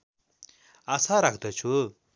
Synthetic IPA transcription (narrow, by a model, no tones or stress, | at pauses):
asʰaɾak̚d̪ət͡ɕʰu